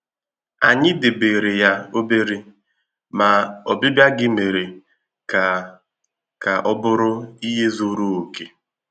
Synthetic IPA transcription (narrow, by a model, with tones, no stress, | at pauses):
a˨ɲɪ˦de˨be˨ɾe˨ja˦o˦be˦ɾi˦ | ma˨ɔ˨bɪ˦bja˦ɡɪ˦me˨ɾe˨ | ka˨ | ka˨ʔɔ˦bʊ˦ɾʊ˦i˦ɦe˦zu˦ɾu˦o˨ke˦